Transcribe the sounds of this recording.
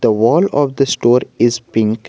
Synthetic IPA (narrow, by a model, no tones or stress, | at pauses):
d̪̥əʋɔːlɔːʋd̪əsʈoːɾɪzpɪ̃ŋk